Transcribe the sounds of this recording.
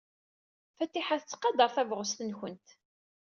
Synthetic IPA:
fæt̪ːiħaθət͡sːqɑd̪ɑɾˤθævʁəst̪ənçənt̪

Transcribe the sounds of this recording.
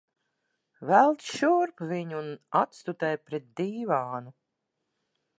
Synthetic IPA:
vælˠt̪ʃuɾpviɲunat̪st̪ut̪ɛjpɾɛt̪̚d̪iːvaːnu

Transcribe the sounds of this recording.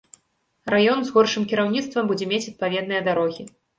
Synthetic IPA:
rajɔnzɣɔrʂɨmkʲiɾawnʲit̪st̪vɐmbud͡zʲɛmʲet͡sʲɐt̪̚pavʲɛd̪nɨjɐd̪aɾɔɣʲi

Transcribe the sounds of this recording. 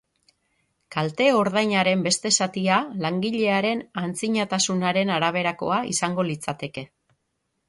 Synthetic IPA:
kalt̪e̞o̞ɾðajɲaɾe̞mbe̞st̪e̞sat̪ialaŋɡiʎe̞aɾe̞nant͡siɲat̪asunaɾe̞naɾaβ̞e̞ɾako̞̰aḭsaŋɡo̞lit͡sat̪e̞ke̞

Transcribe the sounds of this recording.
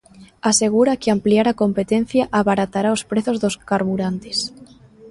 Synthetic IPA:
ase̞ɣ̞uɾakeampliaɾako̞mpet̪en̟θjaʔaβaɾat̪aɾaospɾeθozðoskaɾβuɾant̪es

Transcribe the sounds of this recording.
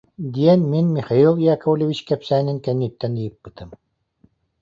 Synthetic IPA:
d̪iɛnminmiχailˠjakowlʲɔvʲit͡ɕkɛpsæːniŋkɛnːip̚t̪ːɛnd̪ijɯp̚bɯt̪ɯm

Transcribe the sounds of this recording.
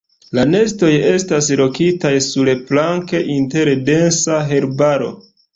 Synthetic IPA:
lane̞sto̞je̞stas̬lo̞kitajsuɾeplaŋke̞ʔinte̞ɾde̞nsaɦe̞ɾbaɾo̞̰

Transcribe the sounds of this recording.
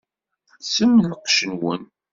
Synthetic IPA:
səmːənəqʃənwən

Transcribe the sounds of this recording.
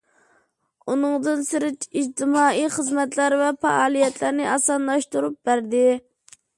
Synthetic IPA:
unɨŋd̪ɨnsɪɾɪt͡ʃid͡ʒt̪ʰɪmɑːijχəzmɛt̪læɾvɛpɑ̰ʔɑːlˠijɛt̪ʰlæɾnɪʔɑsɑnlˠɑʃt̪uɾup̚bæɾd̪ɪ

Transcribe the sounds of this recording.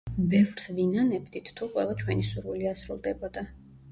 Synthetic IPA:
bɛvɾsvinanɛbd̪it̪ʰt̪ʰuqʼwɛ̰lˠat͡ʃʰwɛnisuɾviliasɾulˠd̪ɛbɔd̪a

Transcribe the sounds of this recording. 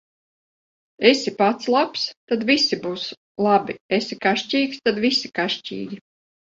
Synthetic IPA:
esipat̪slˠapst̪ad̪visibuːs | lˠabiesikaʃt͡ʃʲiːkst̪ad̪visikaʃt͡ʃʲḭːɡʲi

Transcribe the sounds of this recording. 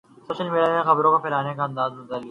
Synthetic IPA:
soːʃəlmeːɖjanexɐbɾõkapɪlaːnekaɐ̃nd̪aːzbʊt̪ali

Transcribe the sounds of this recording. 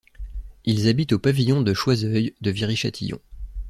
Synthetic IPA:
ilzabit̪opavijɔ̃d̪əʃwazœjd̪əviʁiʃa̰t̪ʰijɔ̰̃

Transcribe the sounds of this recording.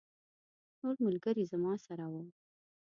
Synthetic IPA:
noɾmʊlɡəɾizamɑsaɾawəm

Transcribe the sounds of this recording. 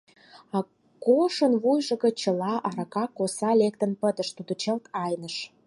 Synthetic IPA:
ɑ | koʃə̆nβujʒə̆ɣə̆t͡ɕə̆lɑʔɑɾɑkɑkosɑlek̚t̪ə̆npəd̪ə̆ʃt̪ud̪ot͡ɕəlt̪ɑjnəʃ

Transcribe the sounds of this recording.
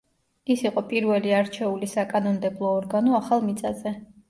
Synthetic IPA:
isiqʼɔpʼiɾvɛliaɾt͡ʃʰɛulisakʼanɔnd̪ɛblˠɔːɾɡanɔaχalˠmit̪sʼazɛ

